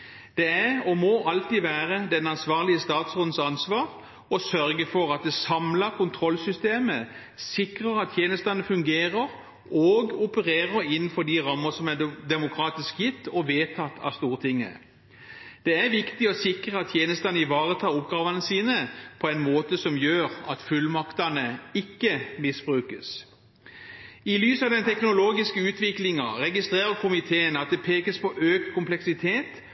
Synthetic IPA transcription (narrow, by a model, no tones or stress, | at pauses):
d̪̥ɛæɔmɔʔɑlt̪iːʋæːʁəd̪ɛnɑnsʋɑːʁlɪəst̪ɑːt̪soːd̪n̩sɑnsʋɑːʁ | ɔsœɾɡəfɔɾɑt̪̚d̪ɛsɑmlɑɾkʰʊnt̪ʰʁɔlsʏst̪eːmə | sɪkʁəʁɑt̪ːʰjeːnəst̪ɑnəfʉŋɡeːʁəʁ | oːɡʊpəʁeːʁəɾɪnn̩fɔd̪ɪʁɑmːəsɔmɛd̪ɛmʊkʰʁɑːt̪ɪskjɪt̪ːɔʋeːt̪ʰɑt̪ːʰɑ̰st̪uːʁət̪ʰɪŋːə̰ | d̪̥ɛæɾʋɪkt̪ɪɔsɪkʁəɑt̪ʰjeːnəst̪ɑnəɪʋɑːʁət̪ʰɑːɾʊpɡɑːʋɑnəsiːnəpʰɔɛɪnmoːt̪əsɔmjøːɾɑt̪fʉlmɑkt̪ɑnəɪkːəmɪsb̥ʁʉːkəs | ɪlyːsɑʋd̪ɛnt̪ʰɛknʊloːɡɪskəʉːt̪ʋɪklɪŋɑʁɛɡɪst̪ʁeːɾəkʰʊmɪt̪ʰeːənɑt̪̚d̪ɛpʰeːkəspʰɔʔøːkt̪kʰʊmplɛksɪt̪ʰeːt̪